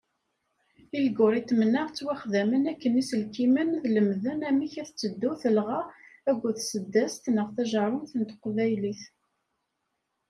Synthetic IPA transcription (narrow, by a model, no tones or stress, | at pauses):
ilɡʊɾˤit̪ːmnəʁt͡sːwæχðæmənækːənisəlkimənðləmðənæmiçæθt͡sːəd̪ːuθəlʁææɡʷːuθsəd̪ːæst̪nəʁθæʒəɾˤʊmθənt̪qvæjliθ